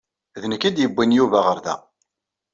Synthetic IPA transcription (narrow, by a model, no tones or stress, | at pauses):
ðənəkːid̪jəbːinjuvæʁəɾðæ̰